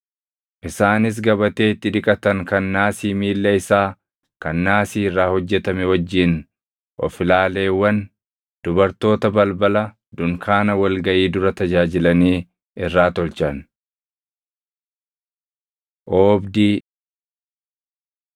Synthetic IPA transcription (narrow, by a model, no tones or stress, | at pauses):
ʔɪsaːnɪs̬ɡɐbɐt̪e̞ːɪt̪ːɪᶑɪkʼɐt̪ɐŋkɐnːaːsiːmiːlːɐɪsaː | kɐnːaːsiːɪrːaːhɔd͡ʒːɛt̪ɐmɛwɐd͡ʒːɪn | ʔɔ̰fɪlaːle̞ːwːɐn | d̪̥ʊbɐɾt̪o̞ːt̪ɐbɐlbɐlɐ | d̪ʊŋkʰaːnɐwɐlɡɐʔiːd̪ʊɾɐt̪ɐd͡ʒaːd͡ʒɪlɐniː | ɪrːaːt̪ɔlt͡ʃɐn | ʔoːbd̪iː